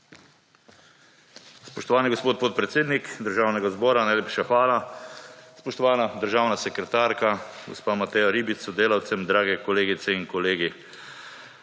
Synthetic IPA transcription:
spɔʃt̪ɔʋaːniɡospoːt̪̚poːt̪̚pɾɛt̪seːd̪nikd̪əɾʒaːwnɛɡazbɔːɾanajleːpʃaxʋaːla | spɔʃt̪ɔʋaːnad̪əɾʒaːwnasɛkɾɛt̪aːɾkaɡospaːmat̪ɛjaɾiːbit̪sɔd̪eːlawt̪sɛmd̪ɾaːɡɛkɔleːɡit̪sɛinkɔleːɡi

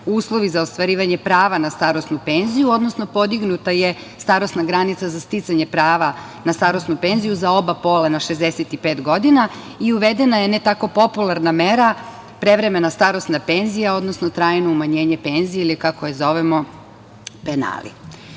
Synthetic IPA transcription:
uːslˠo̞ʋizaost̪ʋaɾiːʋaɲepɾaːʋanast̪aɾo̞snupe̞nzijuo̞d̪no̞sno̞po̞d̪iɡnut̪aje̞ | st̪aɾo̞snaɡɾanit̪sazast̪it̪saɲe̞pɾaːʋa | nast̪aɾo̞snupe̞nzijuzao̞bapo̞ːlanaʃezd̪eset̪ipeːt̪ɡod̪ina | iuʋed̪enajenet̪ako̞po̞pulˠaɾnameɾa | pɾe̞ʋɾe̞me̞nast̪aɾo̞snape̞nzijao̞d̪nosnot̪ɾaːjnoumaɲe̞ːɲe̞pe̞nzijeilikakojezo̞ʋemo̞ | pena̰ːlḭ

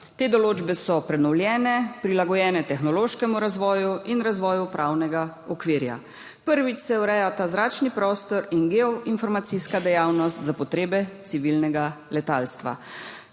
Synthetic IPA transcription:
t̪eːd̪ɔloːd͡ʒbɛsɔpɾɛnɔwljɛːnɛpɾilaɡɔjɛːnɛt̪ɛxnɔloːʃkɛmuɾazʋɔːjuinɾazʋɔːjupɾʔawnɛɡaɔkʋiɾja̰ | pəɾʋit͡ʃsɛwɾɛjat̪azɾaːt͡ʃnipɾɔːst̪ɔɾinɡɛɔʔinfɔɾmat̪siskad̪ɛjawnɔst̪zapɔt̪ɾeːbɛt̪siʋilnɛɡalɛt̪a̰ːlst̪ʋa̰

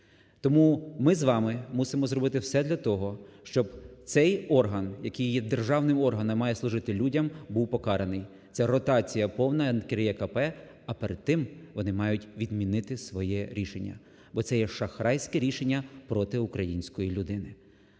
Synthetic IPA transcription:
t̪ɔmumɪzʋɑmɪmusɪmɔzɾɔbɪt̪ɪwsɛd̪lʲɐt̪ɔɦɔʃt͡ʃɔbt̪sɛjɔrɦɐnjɐkɪjjɛd̪erʒɑwnɪmɔrɦɐnɐmːɑjɛslˠʊʒɪt̪ɪlʲudʲɐmbuwpɔkɑɾenɪj̪ | sʲɛrɔt̪ɑt͡sʲijɐpɔwnɐɛnkeɾjɛkɐpɛ | ɐpeɾed̪̚t̪ːɪmʋɔnɪmɑjʊtʲʋʲid̪mʲinɪt̪ɪsʋɔjɛɾʲiʃenʲːɐ̰ | bɔt̪sɛjɛʃɐxɾɑjsʲkɛɾʲiʃenʲːɐpɾɔt̪ɪʊkɾɐjinʲsʲkɔjilʲʊd̪ɪnɪ

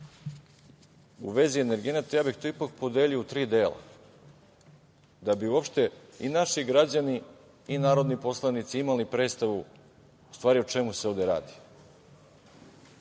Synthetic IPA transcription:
uʋe̞zieneɾɡienat̪ejaːbixt̪oipak̚po̞d̪eːlʎiot̪ɾiːd̪eːla̰ | d̪abiuo̞pʃt̪e̞inaʃiɡɾad͡ʑaniː | naːɾo̞d̪nipo̞slˠanit̪siimalipɾe̞ːt̪st̪aʋu | st̪ʋaːɾiot͡ʃe̞museo̞ʋd̪eɾa̰ːd̪i̥

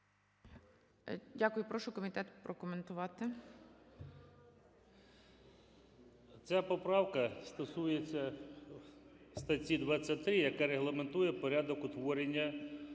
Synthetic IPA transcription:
dʲakʊjʊpɾɔʃʊkɔmʲit̪ɛt̪pɾɔkɔment̪ʊʋɑt̪ɪ | t͡sʲapɔpɾɑwkɐst̪ɔsujet͡sʲːɐ | st̪ɐtʲid̪ʋɑt͡sʲːɐtʲt̪ɾɪjɐkaɾeɦlˠɐment̪ujɛpɔɾʲad̪ɔkʊt̪ʋɔɾenʲːɐ

